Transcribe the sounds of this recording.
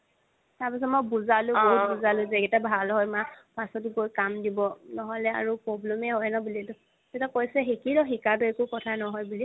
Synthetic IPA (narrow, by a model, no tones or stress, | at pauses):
taɹpasɔtmɔjbuzalʊ̃ɡbuzalʊ̃zɛɡɛtabʱalɦɔjmapasɔtuɡojkamdibɔnɔɦɔlɛa̰ɹupɹɔblɛmɛɦɔjnɔbuliɛtʊ | zetakojsɛɦekiɹɔxikabeekʊkɔtʰanɔɦɔjbuli